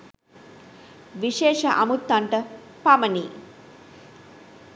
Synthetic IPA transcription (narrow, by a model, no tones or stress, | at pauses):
ʋiʃeːʂɐʔamut̪ːaɳʈə | pamɐniː